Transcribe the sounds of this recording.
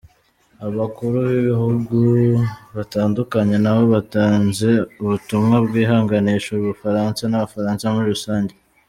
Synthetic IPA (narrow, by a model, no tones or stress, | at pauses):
aβakuɾuβiβihuɡuβataːndukaɲenawo̞βataːnze̞uβutumŋabɡiːɦaːŋɡaniːʃouβufaɾansanaβafaɾaːnsamuɾiɾusaːɲɟe